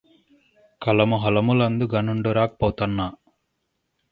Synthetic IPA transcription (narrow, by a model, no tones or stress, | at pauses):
kɐlɐmuɦɐlɐmulɐnd̪uɡɐnuɳɖuɾaːkpɔːt̪ɐnːa